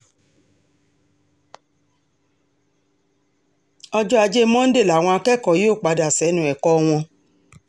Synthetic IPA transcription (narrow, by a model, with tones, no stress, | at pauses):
ɔ˧d͡ʒɔ˦a˧d͡ʒe˦mɔ̃˦n̩˦de˦˨la˨w̃ɔ̃˧a˧kɛ˦˨kɔ˨joː˦˨k͡pa˨˧da˨sɛ˨˦nũ˧˦˨ɛ˨kɔ˦˧w̃ɔ̃˧